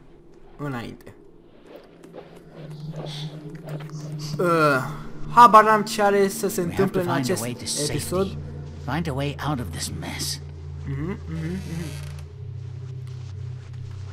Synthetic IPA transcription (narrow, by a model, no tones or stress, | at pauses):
ɨnaḭnt̪ʰe | ə | habaɾant͡ʃeaɾesəse̞ɨnt̪ɨmpleɨnãt͡ʃe̞seɪtɨsepiso̞d̪ | fãɪ̃ndəweɪʔaʊɾʌvðɪsmɛ̰s | m̩hm̩ːhm̩ːhm̩